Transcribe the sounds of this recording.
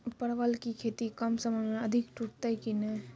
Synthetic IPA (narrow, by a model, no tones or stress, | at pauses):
pəɾʋəlkikʰet̪ikəmsəməmeəd̪ʱikʈuʈt̪əjkine